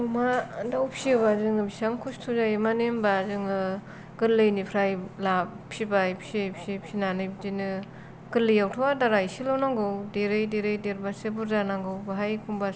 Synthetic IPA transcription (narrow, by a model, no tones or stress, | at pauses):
umadawpʰsiβazɯŋɯbisamkʰustʰuzajmanembazɯŋɯ | ɡ̥ɯlɯjnipʰɾajlappʰibajpʰsepsepʰinanɯjbdinɯ | ɡ̥ɯlːɯjawtʰɔwadaɾaisilawnaŋɡɯwdeɾɯjdeɾɯjdeɾbasebuɾzanaŋɡɯwbaɦajkʰuŋba